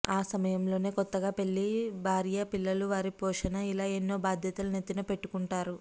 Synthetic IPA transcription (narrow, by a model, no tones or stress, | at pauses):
aːsɐmɐjɐmlo̞ːne̞ːkɔt̪ːɐɡaːpe̞ɭːibʱaːɾijɐpilːɐluʋaːɾipɔːʂɐnɐilaːenːo̞ːbaːd̪ʱjɐt̪ulunet̪ːinɐpe̞ʈːukuɳʈaːɾu